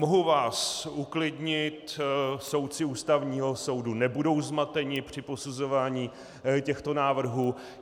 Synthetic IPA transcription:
moɦuvaːsuklɪdɲɪt̪so̞wt̪̚t͡sɪuːst̪avɲiːɦo̞so̞wdunɛbudo̞wzmat̪ɛɲɪpr̝̥ɪpo̞suzo̞vaːɲiː | cɛxt̪o̞naːvr̩ɦuː

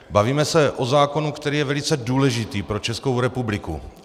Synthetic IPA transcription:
baviːmɛsɛʔo̞zaːko̞nukt̪ɛɾiːjɛvɛlɪt͡sɛduːlɛʒɪt̪iːpɾo̞t͡ʃɛsko̞wɾɛpublɪkṵ

